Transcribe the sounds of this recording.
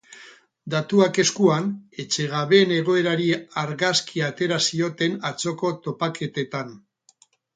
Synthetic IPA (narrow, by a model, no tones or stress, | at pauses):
d̪at̪uake̞skuane̞t͡ʃe̞ɣaβe̞ne̞ɣ̞o̞e̞ɾaɾiaɾɣaskʰiat̪e̞ɾasio̞t̪e̞nat͡so̞ko̞t̪o̞pake̞t̪e̞t̪an